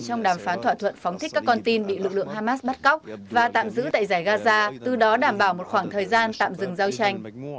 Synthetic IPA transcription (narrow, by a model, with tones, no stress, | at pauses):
t͡ɕɔ˧wŋ͡mɗaː˨˩mfaː˨˦nt̪ʰwaː˧˨t̪ʰwə̰˧˨nfɔ˨˦wŋ͡mt̪ʰi˦˥k̟̚kaː˦˥kːɔ˧nt̪i˧nɓḭ˧˨lɨ̰˨k̚lɨ̰˧˨əŋhaː˧maː˦˥s̚ɓa˦˥t̚kɔ˦˥wk͡p̚vaː˨˩t̪a̰ː˧˨mzɨ̰˧˥t̪a̰ː˧˨jzaː˧˩jɣaː˧zaː˧t̪ɨ˨˩ɗɔ˨˦ɗaː˧˩mɓaː˧˩wmo˨˩t̚xwaː˧˩ŋt̪ʰəː˨˩jzaː˧nt̪a̰ː˧˨mzɨ˨˩ŋzaː˧wt͡ɕa˧jŋ̟